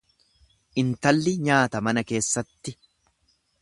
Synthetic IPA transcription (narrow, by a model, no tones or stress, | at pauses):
ʔɪnt̪ɐlːɪɲaːt̪ɐmɐnɐke̞ːsːɐt̪ːɪ